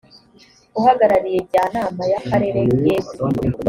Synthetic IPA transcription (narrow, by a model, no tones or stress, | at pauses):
uhaɡaɾaɾijeɟaːnaːmajakaɾe̞ɾeɡezi